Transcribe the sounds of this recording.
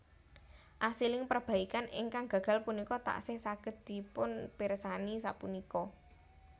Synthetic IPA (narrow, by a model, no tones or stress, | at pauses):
ʔasilɪŋpərb̥a̤ikanɪ̰ŋkaŋɡ̥ä̤ɡ̥a̤lpunikɔt̪a̰ʔsɪhsaɡ̥ə̤d̪̚d̪̥i̤pʊnpiɾsanisa̰punikɔ